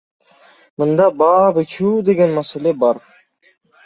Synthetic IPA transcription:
mɯnd̪ɑbɑːbɯt͡ʃʰuːd̪e̞ɡʲenmaselebɑɾ

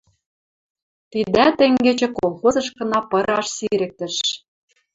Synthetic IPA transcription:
t̪id̪æt̪ĕŋɡĕt͡ɕĕkolˠxozɤ̆ʃkɤ̆nɑpɤ̆ɾɑʃsiɾɘ̆k̚t̪ɘ̆ʃ

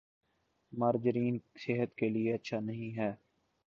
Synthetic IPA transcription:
maːɾd͡ʒɪɾiːnseːɦət̪kelieɐtːʃʰanɐɦĩɦɛː

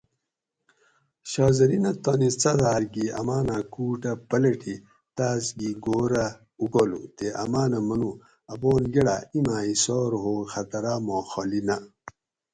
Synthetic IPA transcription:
ɕaːzɐɾinɐt̪onit͡sɐd̪aːɾɡiɐ̰maːnakuːʈɐpɐlɐʈʰi | t̪aːsɡiɡoːɾa | ukolṵt̪eʔɐ̰maːnɐmɐnu | ɐboːnɡeɽaimaːisoːɾɦoːxɐt̪ɐɾaːmoːxolinɐ

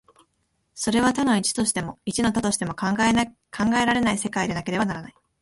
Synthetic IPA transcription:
so̞ɾe̞β̞at̪ano̞it͡ɕi̥t̪o̞ɕi̥t̪e̞mo̞it͡ɕino̞t̪at̪o̞ɕi̥t̪e̞mo̞k | kʰãŋɡae̞ɾaɾe̞naise̞kaid̪e̞nake̞ɾe̞banaɾanai

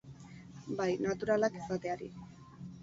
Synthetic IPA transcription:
bajnat̪uɾalakisat̪e̞aɾḭ

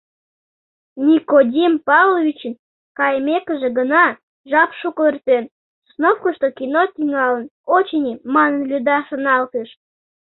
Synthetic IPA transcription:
nʲikodʲimpɑvlˠovʲit͡ɕən | kɑjmʲekə̆ʒĕɡənɑ | ʒɑpʃuklərt̪en | snofkəʃt̪okinot̪ʲiŋɑlə̆not͡ɕenʲimɑnənlʲud̪ɑʃə̆nɑlt̪eʃ

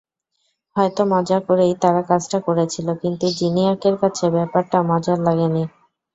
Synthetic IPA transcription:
hɔet̪omɔd͡ʑakoɾejt̪aɾakad͡ʑʈakoɾet͡ɕʰilokint̪ud͡ʑiniaɾkeɾkat͡ɕʰebɛpaɾʈamɔd͡ʑaɾlaɡeni

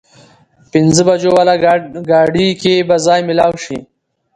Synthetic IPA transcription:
pɪnzəbad͡ʒowalaɡɑːɖikebazɑːjmɪlɑːwʃḭ

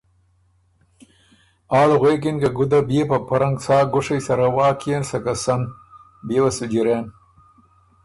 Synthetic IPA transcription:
aːlɣweːk̬inɡɐɡud̪abeːpɐpaɾɐŋɡsaːɡʊʂɐjsɐɾawaːkijensɐkasɐn | beːwɐsud͡ʒiɾeːn

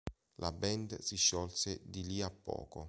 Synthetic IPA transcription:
lʔabɛnd̪siʃːɔlsed̪iliapːɔ̰ːko

